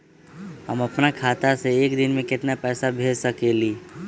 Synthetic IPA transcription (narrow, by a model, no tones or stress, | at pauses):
ɦəmɐpnakʰaːt̪aseeːkd̪ɪnmẽkɪt̪napɛːsabʱeːd͡ʒsəkeːliː